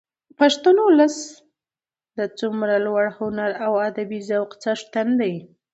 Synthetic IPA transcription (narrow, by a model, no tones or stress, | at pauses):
paʂt̪anowlas | d̪ət͡sumɾalwaɽhʊnaɾawad̪abizawqt͡saʂt̪and̪aj